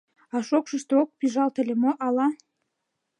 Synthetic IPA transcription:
ɑʃokʃə̆ʃt̪eok̚piʒɑlt̪ə̆lʲemoʔɑlɑ

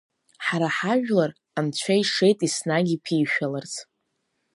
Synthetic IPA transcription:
ħaɾaħaʒᶣlar | amt͡ɕʷʰaiʂe̞jtʼisnaɡʲipʰiːʃᶣalart͡sʰ

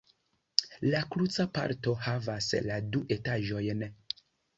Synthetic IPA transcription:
lakɾut͡sapa̰ɾto̞havasladuʔe̞taʒojn

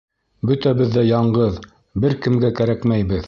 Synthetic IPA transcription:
bɵt̪æβɘ̆ðːæjɑɴɢɤð | bɘɾkɘ̆mɡækæɾækmæjbɘð

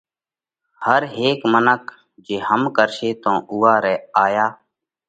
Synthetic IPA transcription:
həɾɦeːkmənək | d͡ʒeːhəmkəɾʃeːt̪õːʔʊːaːɾɛːaːjaː

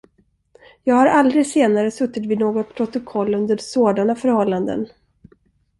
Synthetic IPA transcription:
jɑːɡhaɾʔald̪ɾɪseːnaɾəsɵt̪ːɪt̪vɪnoːɡɔt̪̚pʰɾʊt̪ʊkʰɔlːɵnd̪əɖsoːd̪anafœɾhɔlːand̪ə̰n

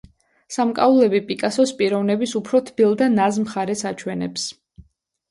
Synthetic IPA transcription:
samkʼa̰ulˠɛbipʼikʼasɔspʼiɾɔvnɛbisupʰɾɔt̪ʰb̥ilˠd̪anazmχaɾɛsat͡ʃʰwɛnɛ̰ps

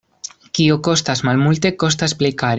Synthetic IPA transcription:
kioko̞st̪azmalmult̪e̞ko̞s̬t̪asplekaɾ

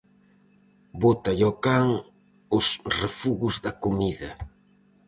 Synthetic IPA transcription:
bot̪ɐʎɔkaŋ | ʊsrefuɣʊzðɐkomiðɐ

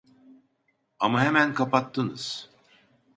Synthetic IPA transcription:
amaɦemænkʰapat̪ʰːɯnɯz̥

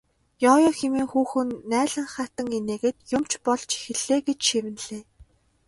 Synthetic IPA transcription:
jɔːjɔxemiːŋxuːxɘ̆nːæːɮə̆ŋχat̪ə̆ŋeneːɣeːt̪jʊmt͡ɕpɔɮt͡ɕi̥xɘ̆ɮeːɡet͡ɕʃiwɘ̆nɮeː

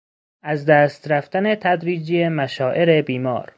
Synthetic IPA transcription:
ʔæzd̪æːst̪ɾæft̪ænet̪ʰæd̪ɾiːd͡ʒijemæʃɒːʔe̞ɾe̞biːmɒ̰ːɾ

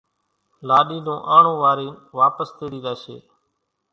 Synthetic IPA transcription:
laːɗiːnõːʔaːɳõːʋaːɾiːnʋaːpəst̪eːɾiːd̪aːsḛː

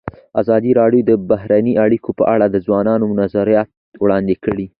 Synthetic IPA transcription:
azɑd̪iɾɑɖjod̪əbahɾaniʔaɽikʰopəʔaɽad̪əzwɑnɑnomʊnazaɾijat̪ | wɽɑnd̪ekəɽi

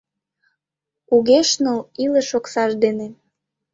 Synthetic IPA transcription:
uɣeʃnəlilə̆ʃoksɑʃd̪ene

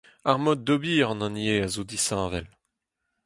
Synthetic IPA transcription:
aʁmɔd̪̚ːɔbiːʁɑ̃nɑ̃njeazod̪isɑ̃vɛl

